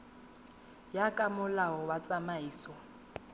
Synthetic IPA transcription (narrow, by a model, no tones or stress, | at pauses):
jakʼamʊlaɔwat͡sʼamaiːsɔ